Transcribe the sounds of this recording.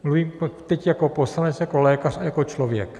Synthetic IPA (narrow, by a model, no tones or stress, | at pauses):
mluviːmpt̪ɛcjakopost̪anɛt͡sjakolɛːkarajakot͡ʃlovjɛ̰k